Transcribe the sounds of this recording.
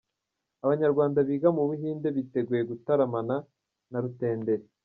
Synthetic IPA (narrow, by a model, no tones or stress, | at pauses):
aβaɲaɾɡwaːndaβiːɡamuβuɦiːnde̞βite̞ɡuje̞ɡutaɾamana | naɾute̞ːnde̞ɾe